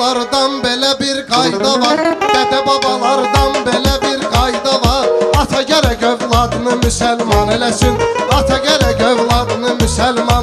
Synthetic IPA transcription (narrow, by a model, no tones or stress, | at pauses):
ɑɾd̪ɑnbe̞læbiɾɡɑjd̪ɑvɑɾbɛd̪æbɑbɑlˠɑɾd̪ɑnbelæbiɾɡɑjd̪ɑvɑɾɑt̪ʰɑɟæɾɛɟøvlˠɑd̪ɯnɯmysælmɑnelæsinɑt̪ʰɑɟɛɾæɟøvlˠɑd̪ɯnɯmysælmɑ